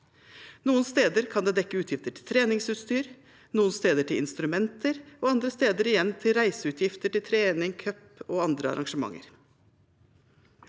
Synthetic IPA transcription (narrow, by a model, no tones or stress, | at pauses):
nuːənst̪eːd̪əɾkʰɑnd̪eːd̪ɛkːəʉːt̪ʰjɪft̪əʈʰɪlt̪ʰɾeːnɪŋsʉːt̪st̪yːɾ | nuːənst̪eːd̪əʈɪlɪ̰nst̪ɾʉmɛnt̪ʰəɾoːɑnd̪ɾəst̪eːd̪əɾɪjɛnːt̪ʰɪlɾæɪsəʉːt̪ʰjɪft̪əʈɪlt̪ʰɾeːnɪŋkʰœpoːɑnd̪ɾəɑ̰ɾʔɑŋʂəmɑ̰ŋːə̰ɾ